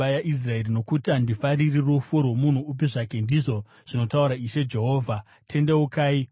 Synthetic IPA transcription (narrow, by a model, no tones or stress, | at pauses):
ajaʔis̬rae̞rino̞kutandifaririrufurwomun̤uːp̬iʐake̞ndiʐo̞ | ʐ̥ino̞tauɾaiʃe̞d͡ʒe̞ɦo̞ːvʱa | tʰe̞ndewokaːi